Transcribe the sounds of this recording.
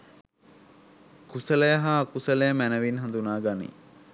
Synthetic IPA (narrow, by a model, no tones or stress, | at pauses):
kusələjəɦaːkusələjəmænəʋinɦãnd̪unaːɡanḭ